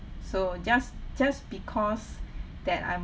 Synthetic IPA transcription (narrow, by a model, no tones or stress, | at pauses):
sod͡ʒasd͡ʒasbikʰɔs | dɛta̰jm